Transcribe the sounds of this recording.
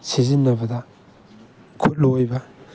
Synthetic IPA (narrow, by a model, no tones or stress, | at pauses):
sizinːɐbɐdɐ | kʰut̚lojbɐ